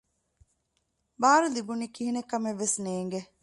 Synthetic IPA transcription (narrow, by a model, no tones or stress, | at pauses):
baːɾulibuniːkiɦinekɐmeʋːesneːŋɡe